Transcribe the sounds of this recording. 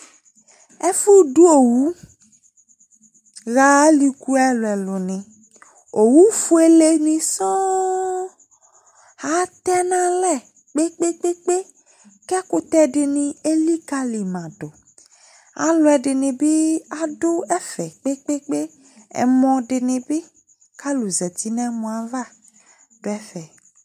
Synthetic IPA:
ɛ˦fu˦ɖu˦o˨wu˦ | ɣa˨˦li˨ku˦ɛ˦lʊ˨ɛ˨lʊ˨nɪ̃˨ | o˨wu˦fu˦e˦le˦nĩ˨sɔ̃˦ | ha˨˦t̪ɛ˦nã˦lɛ˦˨ | k͡pe˦k͡pe˦k͡pe˦k͡pe˦ | kɛ˦ko˦t̪ɛ˦ɖe˨nĩ˨e˦li˦ka˦li˨mã˨ɖo˨ | a̰˨lo˦ɛ˨ɖɪ˨nẽ˨be˦a˦ɖo˦ɛ˦fɛ˨k͡pe˦k͡pe˦k͡pe˦ | ɛ̰˨mɔ̃˨ɖe˨nẽ˨be˦ | ka˦lu˨zɛ˨t̪i˦nɛ̃˦mɔ̃˨a˨va˦ | ɖ̥o˦ɛ˦fɛ˨

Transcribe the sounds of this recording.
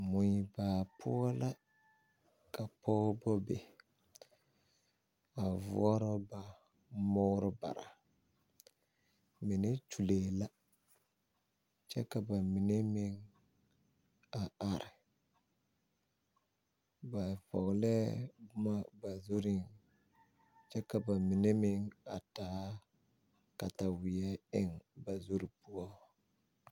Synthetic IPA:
mʊ˨ji˨ba˨pʰʊ˦ɔ˦la˦ | ka˨pʰɔ˦bɔ˦be˨ | a˨vʊ̰˦ɔ˦ɾɔ˦ba˨ | mɔ˦ɾɪ˦ba̰˨ɾa̰˨ | mi˨ne˦t͡ʃu˨leː˨la˦ | t͡ʃɛ˦ka˨ba˨mi˨ne˦me˦ŋ | a˨a˨ɾɪ˨ | ba˨fɔ̰˨ɣlɛ˦bʊ˦ma˦ba˨zo˦ɾi˦ŋ | t͡ʃɛ˦ka˨ba˨mi˨ne˦mɪ˦ŋa˨taː˦ | ka˨ta˨wɪ˨ɛ˦ɪ˦ŋba˨zo˦ɾi˦pu˦ɔ˦

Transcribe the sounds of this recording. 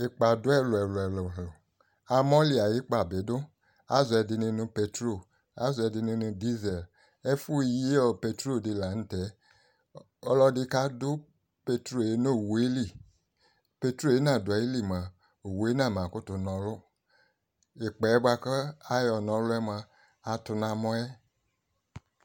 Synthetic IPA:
e˨k͡pa˨dʊ˦ɛ˦lʊ˨ɛ˨lʊ˨ɛ˨lo˨ɦʊ˨ | a˨mɔ˦li˦a˨ji˦k͡pa˨be˨˦dʊ˦ | a˦zɛ˨dɪ˧nĩ˧nũ˧pe˧tɾo˦˨ | a˦zɛ˧di˧nĩ˧nũ˧di˦zɛ˨l | ɛ˦fu˦˨ji˦ɔ˦˨pe˧tɾo˦˨dɪ˧la˨ñ̩˦tɛ˨˦ | ɔ˧lɔ˧dɪ˧ka˦dʊ˦ | pe˧tɾo˦˨je˨˦nõ˦˨wu˨e˦li˦˨ | pe˧tɾo˦˨je˦nã˦˨da˨ji˦li˦˨mə˨ | o˨wu˨e˦nã˦˨m˨ã˨kʊ˦tʊ˨nɔ̃˨lʊ˦ | i˨k͡pɛ˨ɛ˦bwa˧kə˦a˦jɔ˨nɔ̃˨˦lʊ˦ɛ˦mə˧ | a˨tʊ˧nã˨mɔ̃˦ɛ˦

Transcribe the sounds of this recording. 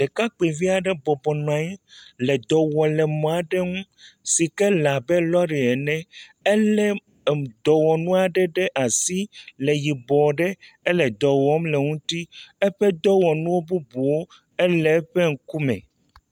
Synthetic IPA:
d̪ɛ˨ka˦k͡pi˨vi˦a˨ɖɛ˦bɔ˨bɔ˨nɔ̃˨ã˨ɲɛ˦lɛ˨d̪ɔ˨wɔ˨lɛ˨mɔ̃˨a˨ɖɛ˦ŋũ˦si˨kɛ˦la˨bɛ˦lɔ˦ɖi˨ɛ˨nɛ̃˦ɛ˦lɛ˦˨ | d̪ɔ˨wɔ˨nũ˦a˨ɖɛ˦ɖɛ˦ʔa˨si˦lɛ˨ji˨bɔ˨ɖɛ˦ɛ˦lɛ˨d̪ɔ˨wɔ˦mlɛ˨ŋũ˦t̪i˦ɛ˦ɸɛ˦d̪ɔ˦wɔ˨nũ˦wo˦bu˦bu˨wo˦ | ɛ˦lɛ˨˦ɸɛ˦ŋ̩˨ku˦mɛ̰̃˨

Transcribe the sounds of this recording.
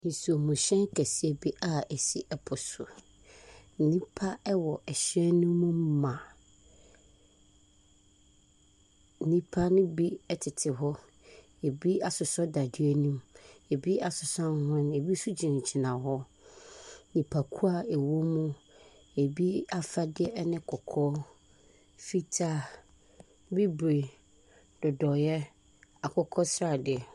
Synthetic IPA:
nĩ˨so˨mũ˨ɕɛ̃˦ŋ˦kʰɛ˨si˦e˨bi˦ʔa˦ɛ˨si˨ʔɛ˨pʰʊ˨sʊ̰˨ | n̩˦nĩ˦pʰa˦ɛ˦wɔ˨ʔɛ˨ɕɛ̃˦nnʊ̃˦mːũ˦m˦mã˨ | n̩˦nĩ˦pʰa˦nɪ̃˦bi˦ɛ˦tʰɪ˨tʰɪ˨ɦɔ˦ | e˨bi˦a˨sʊ˨sɔ˦da˨dɥe˦nũ˦me˨bi˦a˨sʊ˨sã˦n˦hʊ̃˦n˦e˨bi˦su˦d͡ʑi˨n˨t͡ɕʰi˨nã˨ɦɔ˦ | nĩ˨pʰa˨kʰu˦a˨e˨wo˦mũ˦ | e˨bi˦a˨fa˦dɪ˦ɛ˦ɛ˦nɪ̃˦kʰɔ˨kʰɔː˦ | fi˦tʰa˦ | bi˦bɾe˨ | d̥ʊ˨dɔ˨jɛ˦ | a˨kʰɔ˦kʰɔ˦sɾa˨dɪ˨ɛ˨

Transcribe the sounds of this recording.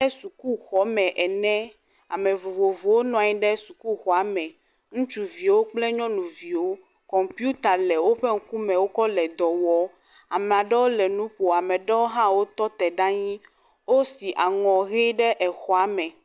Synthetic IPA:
ɛ˦su˨ku˦xɔ˦mɛ̃˨ʔɛ˨nɛ̃˦ | a̰˨mɛ̃˨vo˨vo˨vo˨wo˦nɔ̃˨ɲɛ̃˦ɖɛ˦su˨ku˦xɔ˨a˨˦mɛ̃˨ | ŋũ˦t͡ʃu˨vi˨wo˦k͡plɛ˦ɲɔ̃˦nũ˨vi˨wo˦ | kɔ̃˨mpju˦t̪a˨lɛ˨wo˦ɸɛ˦ŋ̩˦ku˦mɛ̃˨wo˦kɔ˦lɛ˨d̪ɔ˨wɔ˨˦ | a˨mɛ˨a˨ɖɛ˦wo˦lɛ˨nũ˦ɸo˨a˨mɛ̃˨ɖɛ˦wo˦ɦã˦wo˦t̪ɔ˦t̪ɛ˨ɖa˦ɲĩ˦ | wo˦si˨ʔa˨ŋɔ̃˨ɣe˦ɖɛ˦ʔɛ˨xɔ˨a˦mɛ̃˨

